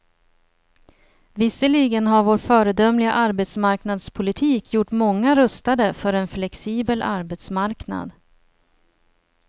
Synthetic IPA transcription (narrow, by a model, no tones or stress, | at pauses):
vɪsəɭiɡənɦaɾvoːɾfœːɾəd̪œmlɪɡa̰ʔaɾbɛt̪smaɾknad̪spʰʊlɪt̪ʰiːkʰjʊʈːmɔŋːaɾœst̪ad̪əfœɾɛnflɛksiːbəlʔa̰ɾbɛt̪smaɾkna̰d̪